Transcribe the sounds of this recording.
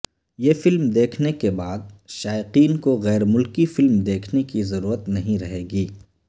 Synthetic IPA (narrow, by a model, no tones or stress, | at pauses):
jeːfɪlmd̪eːkʰnekebaːd̪̚ʃaːɪqiːnkoɣɛːɾmʊlkifɪlmd̪eːkʰnekizɐɾuːɾət̪nɐɦĩɾɐɦeːɡiː